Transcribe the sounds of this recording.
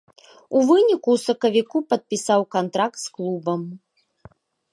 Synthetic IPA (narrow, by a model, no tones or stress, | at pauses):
uvɨnʲikusɐkɐvʲikupɐt̪̚pʲisawkant̪ɾak̚t̪sklˠubɐm